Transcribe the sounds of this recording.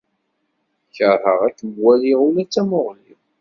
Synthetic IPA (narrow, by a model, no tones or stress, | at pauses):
çəɾˤəʁækːɡwæliʁulæt͡sːæmoʁli